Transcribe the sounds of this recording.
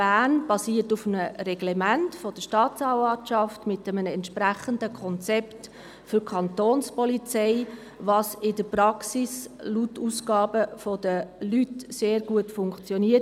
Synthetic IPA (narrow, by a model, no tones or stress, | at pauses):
b̥æːnb̥ɑsiːətʊfənərɛɡ̥lɛmæntfɔd̥əʃtɑːtt͡sɑːvɑʃɑftmɪtəmənɛntʃpɾæχəndəkʰɔnt͡sɛpt | fʏɾkʰɑntoːnspɔlit͡sɛɪ | ʋɑːsɪdəprɑksislutːusɡɑːbəfɔd̥əlytseːɾɡ̥uətfʊŋkt͡sjɔniə